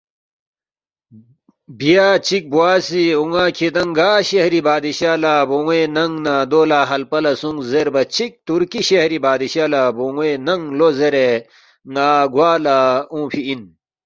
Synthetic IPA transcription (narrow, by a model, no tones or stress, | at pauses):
bijaːt͡ɕik̚buwaːsiuŋaːkʰed̪ɐŋɡaːɕehɾibaːd̪iɕaːlaboŋwenɐŋnaːd̪oːlaːɦɐlpɐlɐsuŋzeɾbɐt͡ɕʰik̚t̪uɾkiɕehɾibaːd̪iɕaːlaboŋwenɐŋlozeɾe | ŋaːɡwaːlaũːpʰiin